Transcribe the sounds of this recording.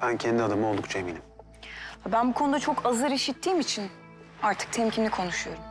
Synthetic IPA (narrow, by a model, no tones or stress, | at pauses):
b̥æncʰɛnd̪iad̪amɯo̞lˠd̪uk̚t͡ʃʰaeminʲim | vabænbukʰonud̪at͡ʃʰo̞kʰazɯɾiʃit̪ʰːiːmit͡ʃʰin | aɾt̪ʰɯ̥k̚t̪ʰɛmcʰimʲikʰo̞nuʃujo̞ɾum